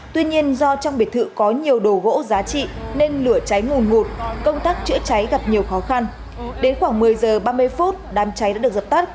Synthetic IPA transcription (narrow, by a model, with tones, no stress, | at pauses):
t̪wi˧ɲi˧ənzɔ˧t͡ɕɔ˧wŋ͡mɓi˨˩t̪ʰɨ̰˧˨kɔ˨˦ɲi˨˩əwɗo˨˩ɣo̰˧˥zaː˨˦t͡ɕḭ˧˨ne˧nlɨ˧˩ət͡ɕa˨˦jŋu˨˩nŋu˨˩t̚kə˧wŋ͡mt̪aː˦˥k̚t͡ɕɨ̰˧˥t͡ɕa˨˦jɣa˨˩p̚ɲi˨˩əwxɔ˨˦xa˧n | ɗe˨˦nxwaː˧˩ŋmɨ˨˩əjzəː˨˩ɓaː˧m˧əjfu˦˥t̚ɗaː˨˦mt͡ɕa˨˦jɗa̰ː˧˥ɗk̚zə˨˩p̚t̪a˦˥k̚